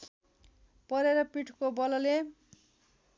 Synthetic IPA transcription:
pʌɾeɾʌpiʈʰkobʌlʌle

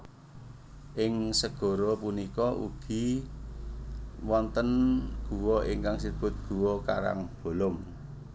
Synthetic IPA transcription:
ʔɪŋsəɡ̥ɔ̤ɾɔpunikɔʔṵɡ̥i̤ | wɔnt̪ənɡ̥ṳwɔiŋkaŋsib̥ʊ̤t̪̚ɡ̥uwɔka̰ɾa̰ŋb̥o̤lɔm

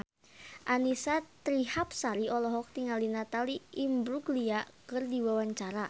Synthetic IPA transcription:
ʔanisat̪ɾihap̚saɾiʔɔlɔɦɔk̚t̪iŋalinat̪aliimbɾuɡliakɨrdiwawaɲt͡ʃaɾa

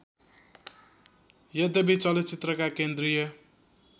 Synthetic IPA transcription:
jʌd̪ebit͡sʌlet͡sit̪rʌkakend̪rijʌ

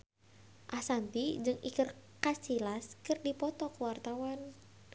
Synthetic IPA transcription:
ʔasant̪id͡ʒɨŋikɨrkasilaskɨrdipɔt̪ɔkuwart̪awan

